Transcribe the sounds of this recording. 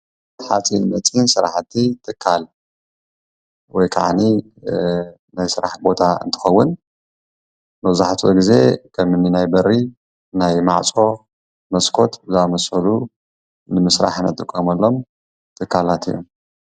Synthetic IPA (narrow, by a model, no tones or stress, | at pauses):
ħat͡sʼinɨmɐt͡sʼinsɨɾa̰ħt̪ʰːit̪ʰɨkʰːal | wɔjkʰa̰ʕani | najsɨɾaħbo̞t̪ʰaɨ̰nt̪ʰɨ̥xɐwːʊn | mɐβzaħat̪ʰo̰ɡize̞kʰɐmɨnːinajbɐɾi | najma̰ʕt͡sʼo̞ | mɐskʰo̞t̪ɨzamɐsɐlu | nɨmɨsɾa̰ħnɐ̰t̪ʼɨkʼːomɐlːo̞m | t̪ʰɨkʰːalat̪ʰḭjo̰m